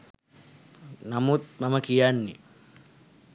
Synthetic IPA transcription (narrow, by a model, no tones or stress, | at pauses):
namut̪̚maməkijanːḭ